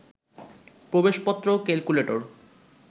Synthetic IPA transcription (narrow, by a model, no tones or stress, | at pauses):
pɾobeʃpɔt̪ːɾokelkuleʈo̰ɾ